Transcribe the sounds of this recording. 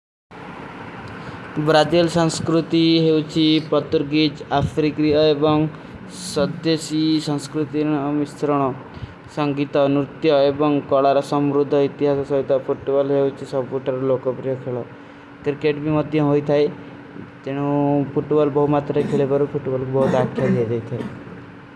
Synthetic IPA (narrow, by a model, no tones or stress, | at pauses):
bɾad͡ʒilsɔŋskɾut̪iɦewt͡ʃʰipɔt̪uɾɡid͡ʒapʰɾikɾijɔebɔŋ | sɔd̪jesisɔŋskɾut̪iɔmist̪ɾɔɽ̃ɔ | sɔŋɡit̪ɔnɾut̪jɔebɔŋkɔɭaɾɔsɔmɾud̪ʱɔit̪iɦasɔsɔɦit̪ɔpʰuʈbɔlɦeuwt͡ʃʰisɔbpuʈɔɾɔlokɔpɾijɔkʰeɭɔ | kɾikeʈbimɔd̪ʱjɔɦojt̪ʰaj | t̪eɽ̃upʰuʈbɔlbɔɦumat̪ɾɔkʰeɭebɔɾupʰuʈbɔlkubɔɦut̪akʰːjad̪ʱiad͡ʒajt̪ʰae